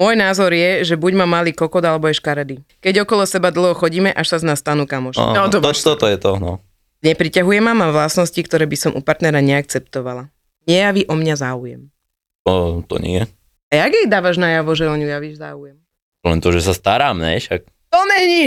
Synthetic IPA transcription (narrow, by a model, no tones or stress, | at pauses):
mʊɔjnaːzɔɾjɛʒɛbuɟmamːaliːkɔkɔd̪alɛbɔɛʃkaɾɛd̪ikɛɟɔkɔlɔsɛbad̪l̩ˠɦɔxɔɟiːmɛʔaʃsaznast̪anuːkamɔʃɔd̪ɔɔt̪ɔt̪ɔjɛt̪ɔnɔ | ɲɛpɾicaɦujɛmamamʋlasnɔscikt̪ɔɾɛːbisɔmʔṵpaɾt̪nɛɾaɲɛak̚t͡sɛpt̪ɔʋala | ɲɛjaʋiʔɔmɲazaːujɛ̰m | ɔt̪ɔ̰ɲɪ̰ɛ | ajaɡjɛjd̪aːʋaʒnajaʋɔʒɛɔɲujaʋiʒzaːujɛm | lɛnt̪ɔʒɛsast̪aɾaːmnɛ̰jʃak̚ | t̪ɔmɛɲi